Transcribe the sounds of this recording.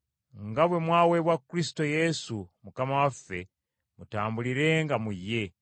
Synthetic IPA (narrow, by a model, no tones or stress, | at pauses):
ŋɡaβwe̞mwaːwe̞βwakːɾisi̥to̞je̞sumukamawafːe̞ | mutaːmbuliɾe̞ŋɡamujːe̞